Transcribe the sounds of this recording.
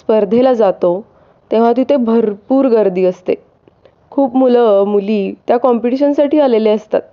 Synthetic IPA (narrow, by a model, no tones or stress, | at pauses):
spəɾd̪ʱelad͡zat̪o | t̪ẽʋ̤at̪ĩt̪ebʱəɾpuːɾɡəɾd̪iːəst̪e | kʰuːpmuləmuliːt̪jakɔmpiʈiɕənsaʈiːaleleəst̪a̰t̪̚